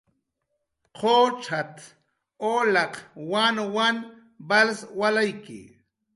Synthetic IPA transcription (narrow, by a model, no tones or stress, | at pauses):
qʰot͡ʃʰat̪ | olɑqwanwan | balswalajkɪ̰